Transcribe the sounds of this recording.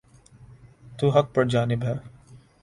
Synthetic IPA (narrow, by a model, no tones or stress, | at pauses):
t̪uːɦɐk̚pɐɽd͡ʒaːnɪbɦɛː